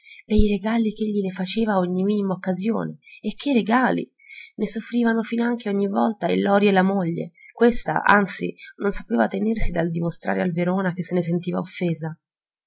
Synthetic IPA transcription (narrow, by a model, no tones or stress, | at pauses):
pejreɡaːlik̟eʎːilefat͡ʃeːvaoɲːimiːnimaokːazjo̰ːneːkʰːereɡaːlḭ | nesofːɾiːvanofinaŋk̟eoɲːivɔlt̪ailːɔːɾjelːamoʎːḛkwest̪a̰ʔa̰nt̪sḭnonsapeːvat̪enersid̪ald̪imost̪ɾa̰ːɾealveɾoːnak̟esːenes̬ent̪iːva̰ofːeːza